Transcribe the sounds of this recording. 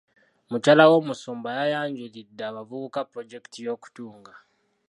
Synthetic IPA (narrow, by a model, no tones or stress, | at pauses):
mucaːlawo̞ːmusoːmbajajaːɲɟulidːaːβavuβukapɾoɟe̞ki̥tijo̞ːku̥tuːŋɡa